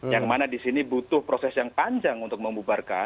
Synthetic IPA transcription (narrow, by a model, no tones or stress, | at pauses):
jaŋmanadisinibut̪ʊhpɾosɛsjaŋpaɲd͡ʒaŋunt̪ʊk̚məmubarka̰n